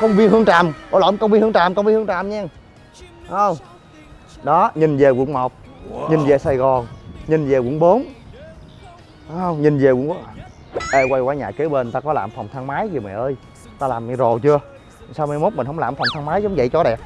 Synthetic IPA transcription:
kə˧wŋ͡mvi˧ənhɨ˧əŋt͡ɕaː˨˩mo˧˦la˧˨˦ŋ͡mkə˧wŋ͡mvi˧nhɨ˧ŋt͡ɕaː˨˩mkə˧wŋ͡mvi˧nhɨ˧ŋt͡ɕaː˧˨˩mɲaː˧˩ŋ | ə˧wŋ͡m | ɗɔ˨˦ɲi˨˩nze˨˩wḭ˧˩ənmo˨˩k͡p̚ | ɲi˨˩nze˨˩saː˨˩jɣɔ˨˩nɲi˨˩nze˨˩wṵ˧˥nɓo˨˦n˨˦ | ə˧wŋ͡mɲi˨˩nze˨˩wŋɓo˨˦n˨˩ | ʔə˧˩kwa˧jkwaː˧˦ɲa̰ː˧˨˩ke˨˦ɓe˧˩nt̪aː˧kɔ˨˦laː˨˩mfa˨˩wŋ͡mt̪ʰaː˧ŋmaː˨˦jzɨ˨˩mɛ̰˨˩˨ʔəː˧j | t̪aː˧laː˨˩m˧˨zo˨˩jt͡ɕɨ˧ə˨˩ | saː˧wm˧jmo˦˥t̚mi̟˨hə˨˦wŋ͡mlaː˨˩mfa˨˩wŋ͡mt̪ʰːŋmaː˨˦jzɔ˨˦wŋ͡mzə̰˧˨jt͡ɕɔ˨˦ɗɛ̰˨˩p̚

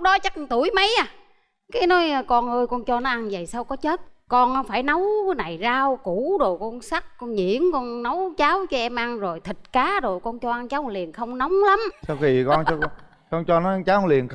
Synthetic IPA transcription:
k͡p̚ɗɔ˨˦t͡ɕa˦˥k̚t̪u˧˩əjmə˨˦jaː˨˧˩ | kaː˨˦jnɔ˨˦jkɔ˧nʔəː˧jkɔ˧nt͡ɕɔ˧nɔ˨˦ʔa˧nvə˨˩jsa˧wkɔ˨˦t͡ɕə˦˥t̚kɔ˧nʔɔ˨˦faː˧˩jnə˨˦wna˨˩jzaː˧wku˧˩˥ɗo˨˩kɔ˧nsa˦˥k̚kɔ˧nɲḭ˧˩˨əmkɔ˧nnə˨˦wt͡ɕaː˨˦wt͡ɕɔ˧ʔɛ˧mʔa˧nzo˨˩jt̪ʰi˨˩t̚kaː˨˦ɗo˨˩kɔ˧nt͡ɕɔ˧ʔa˧nt͡ɕaː˨˦wli˨˩ənxə˧wŋ͡mna˨˦wŋ͡mla˨˦msa˧wxi˧kɔ˧nɔ˧ | kɔ˧nt͡ɕɔ˧nɔ˨˦a˧nt͡ɕaː˨˦˧li˨˩ən

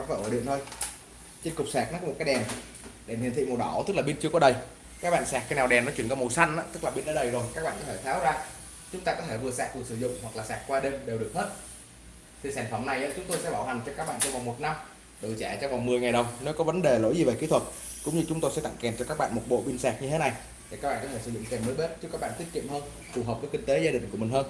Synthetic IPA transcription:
ɔ˨˦vɔː˧˩ʔəː˧˩ɗḭ˧˨nt̪o˧j | t͡ɕe˧nkʊ˨˩k͡p̚saː˨˩k̚nɔ˨˦kɔ˧˥m˨˩t̚kːjɗɛ˨˩m | ɗe˨˧˩nhḭ˧˨t̪ʰḭ˧˨mo˨˩ɗɔ˧˩t̪ɨ˦˥k̚laː˨˩ɓi˧nt͡ɕɨ˧ə˧kɔ˨˦ɗə˨˩j | kaː˦˥k̚ɓa̰ː˧˨nsaɛː˨˩k̚xaː˧jna˨˩wɗɛ˨˩nɔ˨˦t͡ɕwi˧˩ənkɔ˧mo˨˩sa˧nʔa̰ː˧˦t̪ɨ˦˥k̚laː˨˩ɓi˧nɗə˨˦ɗə˨˩jzo˨˩jkaː˦˥k̚ɓa̰ː˧˨nkɔ˨˦t̪ʰe˧˩t̪ʰaː˨˦wzaː˧ | t͡ɕʊ˨˦ŋ͡mt̪aː˧kɔ˨˦t̪ʰe˧˩vɨ˨˩əsa̰ː˨˩k̚ku˨˩ək̚sɨ˧˩zʊ̰˧˨ŋ͡mhwa˨˩k̚laː˨˩saː˨˩k̚kwaː˧ɗe˧mɗe˨˩wɗɨ˨˩ək̚heː˦˥t̚ | t̪ʰi˨˩saː˧˩nfə˧˩mna˨˩jʔa̰ː˧˦t͡ɕʊ˨˦ŋ͡mt̪o˧jsɛ̰˧˥ɓaː˧˩wha˨˩jŋ̟t͡ɕɔ˧kaː˦˥k̚ɓa̰ː˧˨nt͡ɕɔ˧ŋ͡mva˨˩wŋ͡mmo˨˩t̚na˧m | ɗo˨˩t͡ɕɛ˧˩˨t͡ɕɔ˧ŋ͡mva˨˩wŋ͡mmɨ˨˩əjŋa˨˩jɗə˨˩wne˨˦kɔ˨˦və˨˦nɗe˨˩lo̰˧˥jzi˨˩ve˨˩ki˨˦t̪ʰwə˨˩t̚ | kʊ̰˧˥ŋ͡mɲɨ˧t͡ɕʊ˨˦ŋ͡mt̪o˧jsɛ̰˧˥t̪a̰˧˨ŋkɛ˨˩mt͡ɕɔ˧kaː˦˥k̚ɓa̰ː˧˨nmo˨˩t̚ɓo̰˧˨ɓi˧nsaː˨˩k̚ɲɨ˧t̪ʰe˨˦na˨˩j̪ʰ | i˨˩a˦˥k̚ɓa̰ː˧˨˩kɔ˨˦t̪e˧˩sɨ˧˩zʊ̰˧˨ŋ͡mk̪e˨˩məː˨˦jɓe˦˥t̚t͡ɕɨ˦˥kaː˦˥ɓa̰ː˧˨t̪i˦˥ətki˧˨əmhəː˧n | fu˨˩ɦə˨˩p̚kə˨˦kï˧ŋ̟t̪e˨˦zaː˧ɗï˨˩ŋku˧˩əmi̟˨˩həː˧n

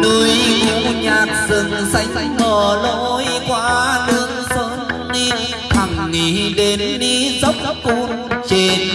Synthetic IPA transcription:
t̪u˧ju˧˥ɲaː˨˩t̚zɨ˨˩nza˧˥jŋ˧˥ŋŋɔ˨˩lo˧jkwaː˧˦lɨ˧˥əŋsəː˨˦nːi˧n | k̪ʰa˨˩ŋŋi˨˩ɗe˨˦nːi˧zə˦˥wk͡p̚ku˧˩n̚ | t͡ɕe˧˩n

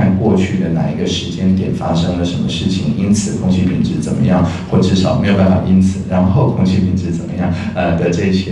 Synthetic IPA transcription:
a˥˧nkwɔ˥˧t͡ɕʰy˥˩d̪ə˩na̰˨˩i˧˥ɡə˧ʂɻ̩˧˥t͡ɕjɛ˥njɛ˨˩fa˥ʂɤ˥ŋlə˨ʂə˧˥nmə˧ʂɻ̩˥˩t͡ɕʰi˨˩ŋi˥nt͡sʰɹ̩˨˩˦kʰʊ˥ŋt͡ɕʰi˥˩pʰḭ˨˩nʈ͡ʂɻ̩˧˥t͡sə̰˨˩nmə̰˦jɑ˥˩ŋxwɔ˥˩ə˨˩ʈ͡ʂɻ̩˥˩ɑ˨˩˦ʊme˧˥jo˨˩ʊpa˥˩fʰɑ̰˨˩ʔi˥nt͡sʰɹ̩˨˩˦ɻa˧˥nxo˥˩ʊkʰʊ˥ŋt͡ɕʰi˥˩pʰi˨˩nʈ͡ʂɻ̩˧˥t͡sə˨˩nmə˦jɑ˥˩ŋ | ə˧˩d̪ə˧ʈ͡ʂɤ˥˩i˧˩ɕjɛ˥

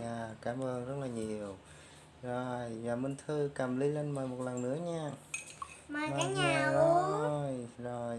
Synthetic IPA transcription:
ʔaː˨˩kaː˨˦mʔəː˧nzə˦˥t̚laː˨˩ɲi˨˩əw | zo˨˩jvaː˨˩mï˧nt̪ʰɨ˧ka˨˩mli˨˧˦le˧nmaː˨˩jmo˨˩t̚lə˨˩nnɨ̰˧˥əɲaː˧ | mː˧maː˨˧ɲaː˨ɔ˨˦o˨˩jzo˨˩j

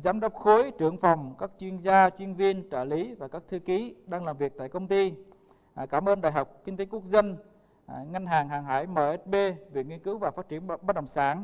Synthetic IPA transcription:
zaː˨˦mɗə˦˥k͡p̚xo˨˦jt͡ɕɨ˧˩əŋfa˨˩wŋ͡mkaː˦˥k̚t͡ɕwi˧ənzaː˧t͡ɕwi˧ənvi˧ənt͡ɕəː˧˩li˨˦vaː˨˩kaː˦˥k̚t̪ʰɨ˧ki˨˦ɗaː˧ŋlaː˨˩mvi˨˩ək̚t̪a̰ː˧˨jkə˧wŋ͡mt̪i˧˩ | kaː˧˩mʔəː˧nɗaː˨˩jɦa˨˩wk͡p̚ki˧ŋ̟t̪e˨˦ku˦˥ək̚zə˧n | ŋa˧ŋ̟ɦaː˨˩ŋɦaː˨˩ŋɦa̰ː˧˩jməː˨˩ʔɛ˦˥t̚ɓe˧ve˨˩ŋi˧ənkɨ˨˦wvaː˨˩faː˦˥t̚t͡ɕi˧˩ənaː˧n̚ɗə̰˨˩wŋ͡msa̰ː˧˩n

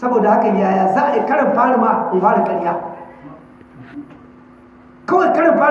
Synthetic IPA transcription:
sɐ˦boː˨da˨ha˦ka˨˦jaː˦jaː˦zaː˦ʔa˨ɪ˨kɐ˦ɽɐ˨mɸaː˦ɽɪ˨ma˨ʔa˨kʊ˨ɸaː˦ɽa˨kʼɐ˦ɽjaː˦ | kɐ˦wkɐ˦ɽɐ˨mɸaː˦

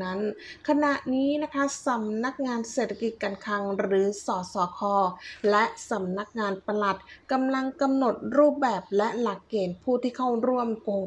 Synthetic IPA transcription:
na˦˥nkʰa˧na˨˩ʔniː˦˥na˦˥kʰa˦˥sa˨˦mna˦˥k̚ŋaː˧nseː˨˩t̪ʰa˧ki˨˩t̪̚ka˧nkʰa˧ŋɾɯː˩˦sɔː˩˦sɔː˨˩˦kʰɔː˧lɛ˦˥ʔsa˩˦mna˦˥k̚ŋaː˧npa˧la˨˩t̪̚ka˧mla˧ŋka˧mno˨˩t̪̚ɾuː˥˩p̚bɛː˨˩p̚lɛ˦˥ʔla˨˩kːeː˨˩npʰuː˥˩t̪ʰiː˥˩kʰa˥˩wɾu˥˩əmko˧ŋ

